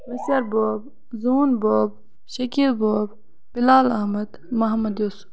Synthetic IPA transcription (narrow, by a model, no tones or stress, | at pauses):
mɐsɐɾboːb | zuːnboːb̚ | ʃɐkilboːb | b̥ilaːlɐhmɐd̪ | mɐɦɐmɐd̪joːsu̥b